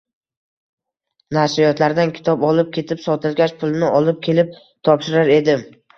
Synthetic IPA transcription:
naɾsɪjɒt̪laɾd̪ankʲʰɪ̥t̪ʰɒpɒlˠɪp̚kʲʰe̞t̪ʰɪpsɒt̪ʰɪlɡʲaʃpʰʊlˠnɪʔɒlˠɪp̚kʲʰe̞lɪp̚ | t̪ʰɒpʃɪɾaɾe̞d̪ɪ

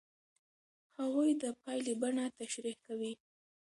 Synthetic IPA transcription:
hawujd̪əpɑjlebaɳat̪aʃɾixkawi

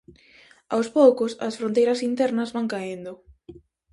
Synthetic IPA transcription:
awspowkʊsɐ̰sfɾõnt̪ejɾɐsint̪ɛɾnɐzβaŋkaend̪ʊ

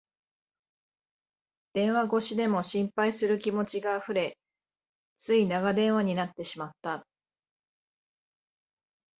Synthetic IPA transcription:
d̪̥ẽ̞ɰ̃βaɡo̞ɕid̪e̞mo̞ɕĩmpaisɨɾɯ̟kʲimo̞t͡ɕiɡaɸɯ̟ɾe̞ | t͡sɨinaɡad̪ẽ̞ɰ̃βaɲ̟inat̪ːe̞ɕimat̪ːa

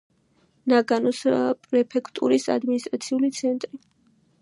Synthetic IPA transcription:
naɡanɔsapʼɾɛpʰɛkʰt̪ʼṵɾisa̰d̪minist̪ʼɾat̪sʰiulit̪sʰɛnt̪ʼɾi

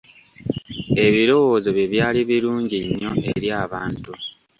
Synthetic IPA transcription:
e̞βiɾo̞woːzoβjeβjaːliβiɾuːɲɟiɲːo̞ʔeɾjaːβaːntu

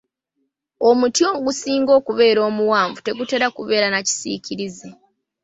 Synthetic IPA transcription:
o̞mutjo̞ːŋɡusiːŋɡo̞ːkuβe̞ːɾo̞ːmuwaːɱvute̞ɡute̞ɾakuβe̞ːɾanaci̥sḭcʰiɾize

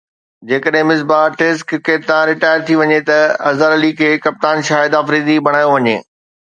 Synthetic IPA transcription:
d͡ʑeːkəɗɦɪ̃mɪs̬baːʈeːs̬kkeːʈt̪ãɾɪʈaːjəɾt̪ʰiʋɐɲet̪ɐɐzəɾɐlikʰeːkɐp̚t̪aːnʃaːɦɪd̪aːfɾiːd̪ibɐɽ̃aːjoʋɐɲḛː

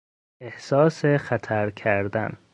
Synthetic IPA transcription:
ehsɒːsexæt̪ʰæɾkʰæɾd̪æ̰n

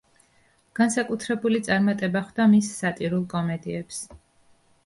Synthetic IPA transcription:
ɡ̥ansakʼut̪ʰɾɛbulit̪sʼaɾmat̪ʼɛbaχwd̪̥amisːat̪ʼiɾulˠkʼɔmɛd̪iɛps

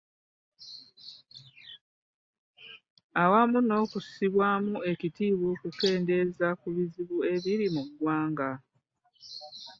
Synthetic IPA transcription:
awamuno̞ːkusiβwaːmue̞citiːβokuke̞ːnde̞zakuβiziβue̞βiɾimuɡwaːŋɡa

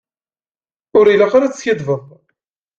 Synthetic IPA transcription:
ʊɾilaqaɾat͡sːçiðˤvəðˤ

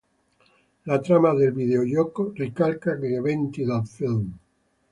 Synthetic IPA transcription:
lat̪ɾamaðelβiðeoʎokorekalkakeeβent̪iðalfilm

